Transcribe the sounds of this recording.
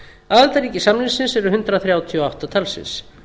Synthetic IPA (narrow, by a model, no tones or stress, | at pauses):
aðalt̪aɾiːcɪsamnɪnsɪnsɛɾʏɦʏnt̪ɾaθɾjaːwt̪ʰiɔawht̪at̪ʰalsɪ̰ns